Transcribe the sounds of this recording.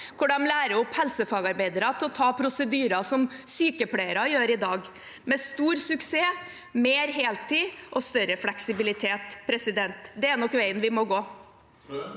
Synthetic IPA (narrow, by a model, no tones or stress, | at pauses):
kʰʊɖɑmlæːɾəʊphɛlsəfɑːɡɑɾbæɪd̪əɾɑt̪ʰɪlɔt̪ʰɑːpʰɾʊsəd̪yːɾɑsɔmsyːkəplæɪəɾɑjøːɾɪd̪ɑːɡ | mɛst̪uːɾsʉkseː | meːɾɦeːlt̪ʰiːʔɔst̪œɾəflɛksɪbɪlɪt̪ʰeːt̪pʰɾɛsɪd̪ɛnt̪d̪ɛænɔkːʋæɪənʋɪmɔɡoː